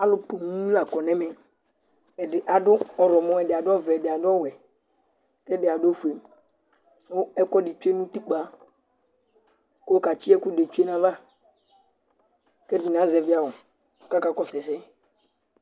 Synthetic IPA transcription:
a˨lʊ˦po˨ŋũ˦la˨kɔ˨nɛ̃˦mɛ˨ | ɪ˨ʔa˨dʊ˦ɔ˦˨ɾɔ˨mɔ̃˦ɛ˨dɪ˨a˨dʊ˦ɔ˦vɛ˨dɪ˨a˨dɔ˦wɛ˨ | kɛ˦dɪ˨a˨do˦fu˨e˨m | o˦ɛ˦kɔ˦dɪ˨t͡ʃu˦e˦nũ˦t̪i˦k͡pa˨˦ | ko˦o˦ka˨t͡ʃi˦ɛ˦kʊ˦de˨t͡ʃu˦e˦nã˨va˦ | kɛ˦di˨n˨ã˨˦zɛ˨vɪ˦a˦˨wo˨ | ka˦ka˦kɔ˦sɛ˨sɛ˦

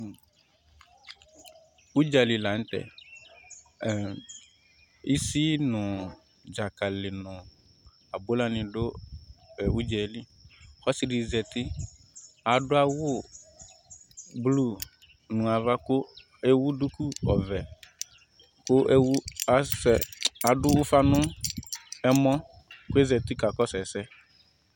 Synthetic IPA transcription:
u˦d͡ʒa˨li˨la˨˦n̩˦tɛ̰˨ | i˦si˦nʊ̃˨ | d͡ʒa˨ka˨lɪ˨nʊ̃˨ | a˨bʊ˦la˦nɪ̃˨dʊ˦ | ɛ˨wu˦d͡ʒɛ˨˦li˦ | xɔ˦si˨ɖi˨zɛ˨t̪ɪ˦ | a˨dʊ˦a˦wʊ˦ | blu˦˨ | nʊ̃˨a˨va˦kʊ˦ | e˦wu˦du˦ku˦ɔ˨vɛ˨ | kʊ˦wa˨sɛ˨a˨dʊ˦wʊ˦fa˦nʊ̃˦ | ɛ˦mɔ̃˦ | kʊ˦e˦zɛ˨t̪ɪ˦ka˨kɔ˦sɛ˨sɛ˦

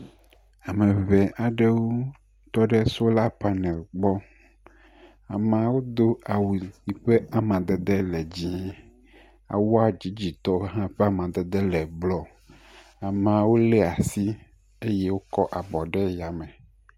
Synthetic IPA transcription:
a˨mẽ˨vɛ˨ʔa˨ɖe˦wo˦ | t̪ɔ˦ɖe˦so˦la˦pa˨nɛ̃˨lɡ͡bɔ˦ | a˨mã˨wo˦d̪o˦a˨wu˨ɲi˨ɸe˦a˨mã˨d̪ɛ˨d̪e˦lɛ˨d͡ʑi˦ | a̰˨wo˦a˨d͡ʑi˨˦d͡ʑi˨t̪ɔ˦ɦã˦ɸe˦a˦mã˨d̪ɛ˨d̪e˦lɛ˨blɔ˦ | a˨mã˨wo˦lɛ˦a˨si˦ | e˦je˦wo˦kɔ˦ʔa˨bɔ˨ɖe˦ja˨mẽ˨

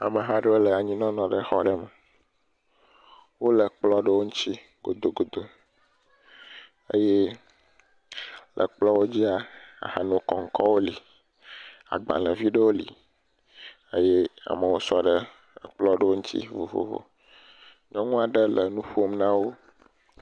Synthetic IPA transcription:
a̰˨mə˨ɦa˦ɖə˦wo˦lə˨a˨ɲĩ˦nɔ̃˦nɔ̃˨ɖə˦xɔ˦ɖə˦mə˨ | wo˦lə˨k͡plɔ˦ɖə˦wo˦ŋũ˦t͡ɕi˦ | ɡ̥o˨d̪o˨ɡo˨d̪o˨ | e˦je˦ | lʔə̰˨k͡plɔ˦wo˦d͡ʑi˦a˨a̰˨ha˨nɔ̃˨kɔ˨ŋ̩˦kɔ˦wo˦li˨ | a̰˨ɡ͡bã̰˨lə˨vi˦ɖə˦wo˦lḭ˨ | e˦je˦a̰˨mə˨wo˦sɔ˦ɖə˦˨ | k͡plɔ˦ɖə˦wo˦ŋũ˦t̪ḭ˦vo̰˨vo̰˨vo̰˨ | ɲɔ̃˦ŋũ˦a˨ɖə˦lə˨nũ˦ɸu˦o˦mnã˦wo˦

